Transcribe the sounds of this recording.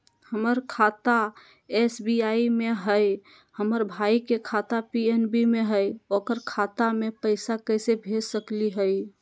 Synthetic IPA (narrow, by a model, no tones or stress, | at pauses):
həməɾkʰat̪a | esbiaimeɦəj | həməɾbʱaikekʰat̪apienbimeɦəjokəɾkʰat̪amepəɪsakəɪsebʱesəkliɦəj